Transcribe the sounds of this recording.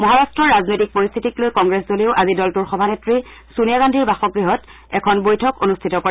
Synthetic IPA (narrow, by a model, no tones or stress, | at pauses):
mɔɦaɹastɹɔɹɹaznojtik̚poɹist̪ʰitiklojkɔŋɡɹeszoliʊʔazidɔltuɹxɔbʱanetɹi | sunijaɡandʱiɹbaxɔɡɹiɦɔt | ɛkʰɔnbojtʰɔkonustʰitɔkɔɹɛ